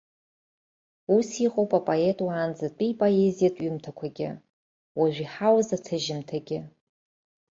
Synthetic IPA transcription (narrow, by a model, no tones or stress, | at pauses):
usiqʼowpʼapʼoe̞tʼwaːnd͡zatʷʼipʼoe̞zijatʼɥimtʰakʷʰaɡʲɪ̰ | waʒʷᶣiħawzatʰɨʒɪmtʰaɡʲɪ